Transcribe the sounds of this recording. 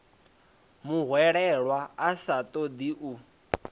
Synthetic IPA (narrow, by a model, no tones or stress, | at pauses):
muɦwɛɺɛɺwaasat̪ʼɔd̪iʔu